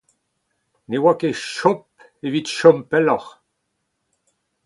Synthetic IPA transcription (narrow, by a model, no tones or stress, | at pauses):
newakeʃɔp̚ | evit̪ʃɔmpɛlɔχ